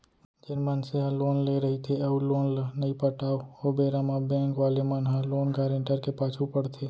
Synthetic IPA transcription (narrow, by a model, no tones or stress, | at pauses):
d͡ʒɪnmənseɦãloːnleɾəɦit̪ʰeɐuloːnlnəĩpəʈaːoobeːɾamãbɛ̃ːŋkʋaːlemənɦãloːnkaːɾẽɳʈəɾkepaːt͡ʃʰupəɽt̪ʰeː